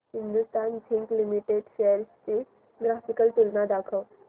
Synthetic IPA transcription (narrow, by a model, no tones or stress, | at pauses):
ɦĩnd̪ust̪aːnsʰĩŋklimiʈeɖʃeəɾst͡ɕe | ɡɾafikəlt̪ulnad̪akʰəw